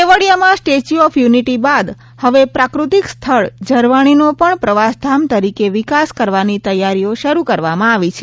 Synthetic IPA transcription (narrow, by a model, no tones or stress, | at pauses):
eʋəɽijamãsʈet͡ʃuɔfʰjuniʈibad̪ | həʋepɾakɾut̪ikst̪ʰəɭd͡ʒəɾʋaɽ̃inopəɳpɾəʋasd̪ʱamt̪əɾikeʋɪkaskəɾʋanit̪əjaɾioʃəɾukəɾʋamãaʋit͡ʃʰe